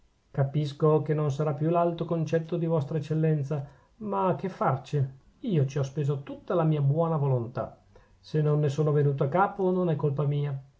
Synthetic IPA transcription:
kapiskokenons̬aɾapːjulalt̪okont͡ʃɛt̪ːod̪ivɔst̪ɾaet͡ʃːelːɛnt̪sa | makːefːart͡ʃi | iːot͡ʃiɔspeːzot̪ut̪ːalamiːabwɔːnavolont̪a̰ | senonːesoːnovenuːt̪̬oakːaːpononɛkːolpamiːa

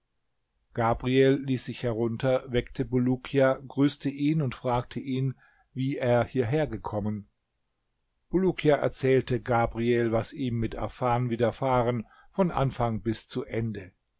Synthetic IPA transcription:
ɡ̥aːbʁiɛlːiːsz̥ɪçhɛʁʊntɐvɛktʰəbulukʰiaɡʁyːstəʔiːnʊntfʁ̥aːk̚tʰəʔiːn | viːʔeːɐhiːɐɦeːɐɡəkʰɔmən | b̥ulukʰjaʔɛ̰ɐt͡sɛːltəɡaːbʁiɛlvasʔiːmːɪtʔa̰faːnviːdɐfaːʁən | fɔnʔa̰nfaŋbɪst͡suʔɛndə

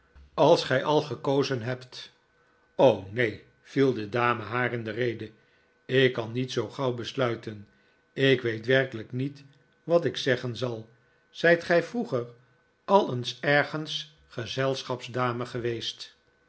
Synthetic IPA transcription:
ɑlˠsχɛjʔɑlˠχəkowzənɦɛpt | ownej | v̥ilˠdədaːməɦaːrɪndərejdə | ɪkːɑnːitsowχɑwbəslœɥtən | ɪkʋejtʋɛrkələknit | ʋɑtɪksɛχənzɑlˠ | z̥ɛjtχɛjfruχər | ɑlˠənsɛɹχəns | χəzɛlˠsχɑpzdaːməχəʋejst

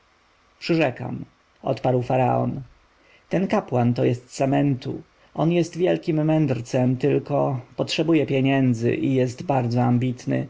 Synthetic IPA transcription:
pʂɘʐɛka̰m | ɔ̰t̪paɾwfaɾa̰ɔ̰n | t̪ɛnkapwant̪ɔjɛst̪samɛnt̪u | ʔɔnjɛst̪vʲjɛlkʲimːɛnd̪ɾt̪sɛmt̪ɘlkɔpɔtʂɛbujɛpʲjɛɲɛnd̪zɘ̰ʔijɛst̪baɾd̪zɔambʲit̪nɘ̰

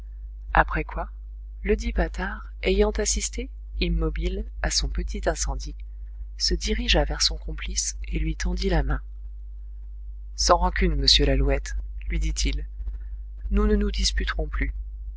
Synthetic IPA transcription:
a̰pχɛkwa | ləd̪ipat̪aʁ | ejɑ̃t̪asist̪e | imːɔbilasɔ̃pət̪ʰit̪ɛ̃sɑ̃d̪i | səd̪iʁiʒavɛʁsɔ̃kɔ̃pliselɥit̪ɑ̃d̪ilamɛ̃ | sɑ̃ʁɑ̃kʲynməsjølaluɛt̪lɥid̪it̪ʰil | nunənud̪ispyt̪ʁɔ̃ply

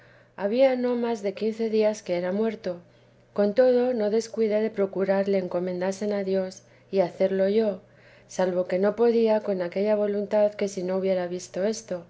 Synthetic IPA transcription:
aβ̞iano̞mazðe̞kinθe̞ðiaske̞eɾamwe̞ɾt̪o̞ | ko̞nt̪o̞ð̞o̞no̞ðe̞skwiðeðe̞pɾo̞kuɾaɾle̞ːŋko̞mẽ̞nd̪ase̞naðjo̞s | iaθe̞ɾlo̞ʝo̞ | salβo̞ke̞no̞po̞ðiako̞nake̞ʎaβ̞o̞lunt̪aðke̞sino̞uβje̞ɾaβ̞ist̪o̞e̞st̪o̞

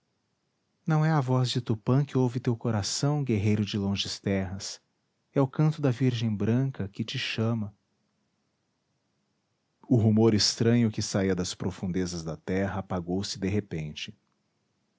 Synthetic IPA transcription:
nɐ̃w̃ɛɐvɔzd͡ʒɪt̪upɐ̃kɪowvɪt̪ewkoɾasɐ̃w̃ɡeɦejɾʊd͡ʒɪlõʒɪst̪ɛɦɐs | ɛʊkɐ̃nt̪ʊd̪ɐviɾʒẽj̃bɾɐ̃kɐkɪt͡ʃɪʃɐ̃mɐ | ʊɦumoɾɪst̪ɾɐ̃ɲʊkɪsaiɐd̪ɐspɾofũnd̪ezɐzd̪ɐt̪ɛɦɐːpaɡowsɪd̪eɦepẽnt͡ʃɪ̥

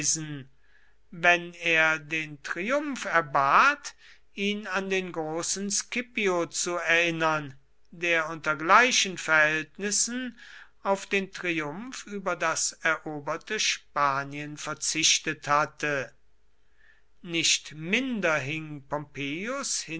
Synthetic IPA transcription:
zn̩ | vɛneːɐdeːntʁ̥iʊmfɛɐbaːt | ʔiːnandeːnɡʁoːsn̩skɪpiot͡suɛɐɪnɐn | deːɐʊntɐɡlaɪʃənfɛɐhɛltnɪsn̩ | aʊfd̥eːntʁ̥iʊmfyːbɐdasɛɐʔoːbɐtəʃpaːniənfɛɐt͡sɪʃtəthatə | nɪʃtmɪndɐɦɪŋpɔmpeːjʊshɪ

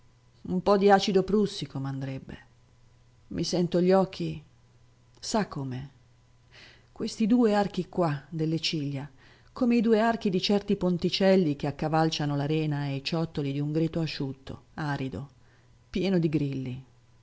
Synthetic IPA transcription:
umpɔd̪iaːt͡ʃid̪opɾusːikomeand̪ɾebːḛ | mʔisɛnt̪oʎːɔk̟ʰːi | sakʰːoːme | kwest̪id̪uːeark̟ikwad̪elːet͡ʃiʎːa | koːmeid̪uːeark̟id̪it͡ʃɛrt̪ipont̪it͡ʃɛlːik̟eakːavalt͡ʃanolaɾɛːnaejt͡ʃɔt̪ːolid̪iuŋɡɾiːt̪oaʃːut̪ʰːo̰aːɾid̪o̰ | pjɛːnod̪iɡɾilːi

